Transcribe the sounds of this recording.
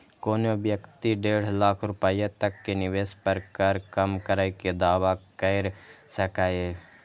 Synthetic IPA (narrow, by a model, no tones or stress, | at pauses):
koːnobjəkt̪iɖeːɽ̤laːkʰɾʊpajat̪əkːenɪʋeːspəɾkəɾkəmkəɾaked̪aːʋakəɪɾsəkaːe